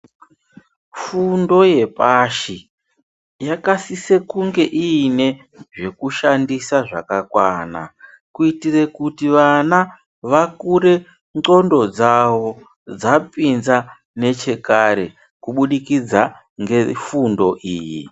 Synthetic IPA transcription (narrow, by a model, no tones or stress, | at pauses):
fundo̞je̞paʃi | jakasise̞kuŋɡe̞ʔine̞ | ʐe̞kuʃandisaʐa̰kakwaːna̰ | kuitire̞kutiʋana | ʋakuɾe̞ | ŋ͡ǃo̞ndo̞d͡zaʋo̞ | d͡zapinza | ne̞t͡ʃe̞kaɾe̞ | kuɓuɗikid͡za | ŋɡefundo̞ʔiːjḭ